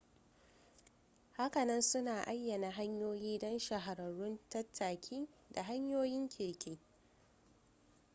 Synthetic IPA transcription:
ha˦kɐ˨nɐ˦nsʊ˦naː˨ʔa˦jːɐ˨na˨ɦa˦ɲjoː˦jiː˦dɔ˦nʃa˨ɦa˨ɾɐ˨ɽʊ˦ntɐ˦tʰːaː˨kʲʰiː˦ | da˨ɦa˦ɲjoː˦jɪ˦ŋkʲʰɪ˨kʲʰeː˦

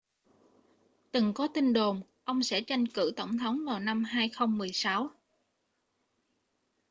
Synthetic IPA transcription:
t̪ɨ˨˩ŋkɔ˨˦t̪i˧nɗo˨˩mʔə˧wŋ͡msɛ̰˧˥t͡ɕa˧jŋkɨ̰˧˩t̪ə˧˩wŋ͡mt̪ʰə˨˦wŋ͡mvaː˨˩wna˧mɦaː˧jxə˧wŋ͡mmɨ˨˩əjsa˨˦w

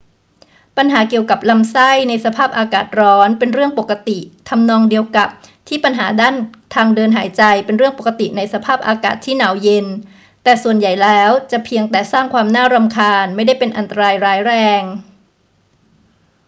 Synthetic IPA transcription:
pa˧nɦaː˩˦ki˨˩əwka˨˩p̚la˧msa˥˩jna˧jsa˧pʰaː˥˩p̚ʔaː˧kaː˨˩t̪̚ɾɔː˦˥npe˧nɾɯ˥˩əŋpo˨˩kːa˧t̪i˨˩t̪ʰa˧mnɔː˧ŋdi˧əwka˨˩p̚t̪ʰiː˥˩pa˧nɦa̰ː˩˦daː˥˩nt̪ʰaː˧ŋdɤː˧nɦaː˩˦jt͡ɕa˧jpe˧nɾɯ˥˩əŋpo˨˩kːa˧t̪ḭ˨˩na˧jsa˧pʰaː˥˩p̚ʔaː˧ka̰ː˨˩t̪ʰːiː˥˩naː˩˦wje˧n | t̪ɛː˨˩su˨˩ənja˨˩jlɛː˦˥wt͡ɕa˨˩ʔpʰi˧əŋt̪ɛː˨˩saː˥˩ŋkʰwaː˧mnaː˥˩ɾa˧mkʰaː˧nma˥˩jda˥˩jpe˧nʔa˧nt̪a˧ɾaː˧jɾaː˦˥jɾɛː˧ŋ

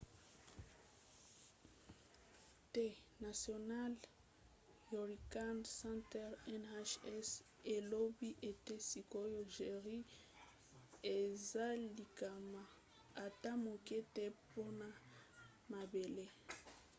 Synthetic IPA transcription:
te˦na˨sjo˨na˦l | jo˨ʁi˨ka˦nsɛ̃˦ntɛ˦ʁɛ˦na˦ʃɛ˦s | e˨lo˦bi˦ʔe˨te˦si˨ko˦jo˦ʒe˨ʁi˦ | e˨za˦li˨ka˨ma˨ | a˨ta˦mo˨kɛ˦te˦po˦na˨ | ma˨be˨le˦

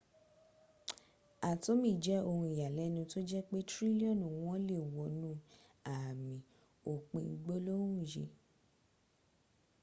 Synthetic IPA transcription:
a˨to˨˦mĩ˦˨d͡ʒɛ˨˦o˧hũ˧i˨ja˨lɛ˨˦nĩ˧to˦d͡ʒɛ˦k͡pe˦tɾi˦li˦ɔ˦˨nũ˨w̃ɔ̃˦le˦˨wɔ˨nũ˦ | a˨mĩ˨ | o˨k͡pĩ˧i˧ɡ͡bo˦lo˦hũ˦˨ʃḛ˧

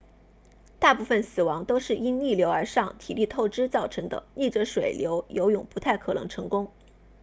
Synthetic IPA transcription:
t̪a˥˧pu˥˩fə˩nsɹ̩˨˩wɑ˧˥ŋt̪o˥ʊʂɻ̩˥˩i˥nli˥˩ljo˧˥ʊə˞˧˥ʂɑ˥˩ŋt̪ʰi˨˩li˥˧t̪ʰo˥˩ʊʈ͡ʂɻ̩˥t͡sɑ˥˩ʊʈ͡ʂʰɤ˧˥ŋd̪ə̰˧ni˥˩ʈ͡ʂə˧˥ʂwe˨˩ɪljo˧˥ʊjo˧˥ʊjʊ˨˩ŋpu˧˥t̪ʰa˥˩ɪkʰɤ˨˩nɤ̰˧˥ŋʈ͡ʂʰɤ˧˥ŋkʊ˥ŋ

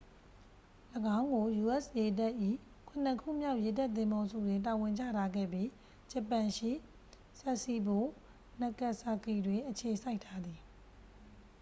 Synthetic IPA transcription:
ləɡã˦ʊ̃ŋɡo˨ju˨ʔɛ˦˨sje˨d̬ɛ˦ʔḭ˦˨ | kʰʊ̃˨n̥ə˦kʰṵ˦˨mja˦ʊʔje˨dɛ˦ʔt̪ɪ̃˦˨mbɔ˦zṵ˦˨dwɪ̃˨nt̬a˨wɪ̃˨ɲd͡ʑä̰˦˨ɾa˨ɡɛ̰˦˨bji˦ | d͡ʑə˨pã˨ʃḭ˦˨ | sɛ˦ʔsi˦˨bo˨˦˨ | na˨kɛ˦˨ʔsa˨ki˨dwɪ̃˨ʔət͡ɕʰe˨sa˦ɪtʰa˦d̪ði˨

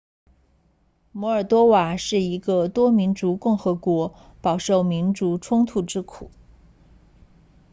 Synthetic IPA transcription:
mɔ˧˥ə˞˨˩t̪wɔ˥wa˨˩ʂɻ̩˥˩i˧˥ɡə˧t̪wɔ˥mi˧˥nʈ͡ʂu˧˥kʊ˥˩ŋxɤ˧˥kwɔ˧˥ | pɑ˨˩ʊʂo˥˩ʊmi˧˥nʈ͡ʂu˧˥ʈ͡ʂʰʊ˥ŋt̪ʰu˥˩ʈ͡ʂɻ̩˥kʰu˨˩˦

